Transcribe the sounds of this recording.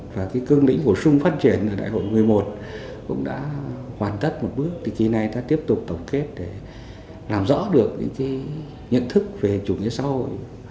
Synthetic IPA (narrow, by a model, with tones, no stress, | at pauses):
vaː˨˩kaː˨˦jkɨ˧əŋlḭ˧˥ŋ̟ɓo˧˩sʊ˧ŋ͡mfaː˦˥t̚t͡ɕi˧˩ənʔə˧˩ɗa̰ː˧˨jho̰˧˨jmɨ˨˩əjmo˨˩t̚ | kʊ̰˧˥ŋ͡mɗa̰ː˧˥hwaː˨˩nt̪ə˦˥t̚mo˨˩t̚ɓɨ˦˥ək̚t̪ʰi˨˩ki˨˩na˨˩jt̪a̰ː˧˥t̪i˦˥əp̚t̪ʊ˨˩k͡p̚t̪ə˨˩w̚ke˦˥t̚ɗe˧˩ | laː˨˩mzɔ̰˧˥ɗɨ˨˩ək̚ɲɨ̰˧˥ŋkaː˨˦j | ɲə̰˧˨nt̪ʰɨ˦˥k̚ve˨˩t͡ɕu˧˩ɲḭ˧˥əsa̰ː˧˥ho̰˧˨j